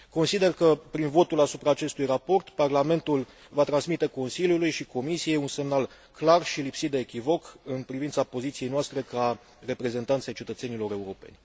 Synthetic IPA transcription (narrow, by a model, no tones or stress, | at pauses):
ko̞nsid̪e̞rkəpɾinvo̞t̪ulasupɾaːt͡ʃe̞st̪ujrapo̞rt̪parlame̞nt̪ul | vat̪ɾansmit̪e̞ko̞nsiljulujʃiko̞misije̞junse̞mnal | klarʃilipsit̪̚d̪e̞ːkʲivo̞kɨnpɾivint̪sapo̞zit̪siejnoast̪ɾe̞ka | re̞pɾe̞ze̞nt̪ant̪sʲejt͡ʃe̞t̪ət̪senilo̞ɾe̞uɾo̞pe̞̰nʲ